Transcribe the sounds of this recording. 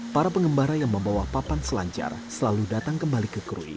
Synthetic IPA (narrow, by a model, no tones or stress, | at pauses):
paɾapəŋəmbaɾajaŋməmbawapapansəlaɲt͡ʃa̰rsəlaludat̪aŋkəmbalikəkɾṵḭ